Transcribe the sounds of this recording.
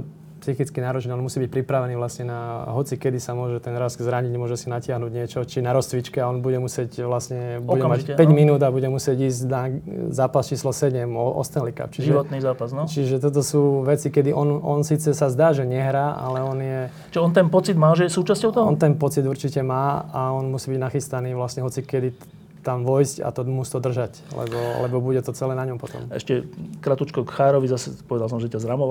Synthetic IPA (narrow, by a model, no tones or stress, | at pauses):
psixit͡skinaːɾɔt͡ʃnɛɔnmusiːbic̚pɾipɾaʋɛniːʋlasɲɛnaɦɔt͡sikɛd̪isamʊɔʒɛt̪ɛnɾazzɾaɲiɟɲɛmʊɔʒɛsinacɪaɦnuɟɲɪɛt͡ʃɔt͡ʃinaɾɔst͡sʋit͡ʃkɛaɔnbuɟɛmusɪɛcʋlasɲɛbuɟɛmaɛpɛɟminuːd̪abuɟɛmusɪɛɟiːzɟnazaːpast͡ʃiːslɔsɛɟɛmʔɔ̰st̪ɛnlika̰p̚t͡ʃiʒiɔt̪nizaːpaznɔt͡ʃiʒɛt̪ɔt̪̬ɔsuːʋɛt͡sikɛd̪iʔɔnɔnsiːt͡sɛsazd̪aːʒɛɲɛɦɾaːʔa̰lɛɔnjɛ | ʒɛɔnt̪ɛnpɔt͡sid̪maːʒɛjɛsuːt͡ʃascɔʊt̪ɔɦɔ̰nt̪ɛnpɔt͡sid̪uɾt͡ʃicɛmaːaɔnmusiːbiɟnaxist̪aniːʋlasɲɛɦɔt͡sikɛd̪i | t̪amʋɔjsca̰t̪ɔmuːst̪ɔd̪r̩ʒac | lɛ̰bɔlɛ̰bɔbuɟɛt̪ɔt͡sɛlɛːnaɲɔmpɔt̪ɔ̰mɛ̰ʃcɛkɾat̪ut͡ʃkɔkxaːɾɔʋizasɛpɔʋɛd̪als̬ɔmʒɛcazɾamɔʋ